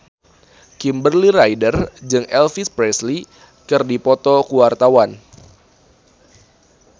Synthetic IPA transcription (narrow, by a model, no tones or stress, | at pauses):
kimbərliɾajdərd͡ʒɨŋɛlfispɾɛsli | kɨrdipɔt̪ɔkuwart̪awan